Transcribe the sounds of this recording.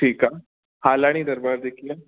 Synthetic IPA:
ʈʰiːkaː | haːlaːɽ̃id̪ɐɾbaːɾd̪eːkʰiẽ

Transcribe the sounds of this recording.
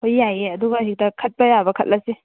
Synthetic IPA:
hojːajeɐduɡaɦik̚dɐkʰɐt̚pɐjabɐkʰɐt̚lɐsi

